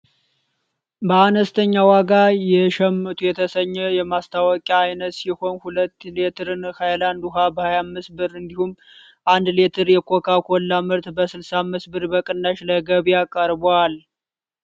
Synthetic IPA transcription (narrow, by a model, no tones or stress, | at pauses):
bəanəst̪ʰəɲːawaɡajɛʃɛmːɨt̪ʰʼujɛt̪ʰəsəɲːɛjɛmast̪ʰawɔkʼaajnət̪siho̞nhulət̪ːlet̪ʰɨɾɨnhajland̪uɦabəhajamːɨsbɨɾɨnd̪ihumː | ʔand̪let̪ʰɨɾjɛkʰokʰakʰolːamɨɾt̪bəsɨlsamɨsbɨɾbəkʼɨnːaʃləɡəβijakʼəɾbal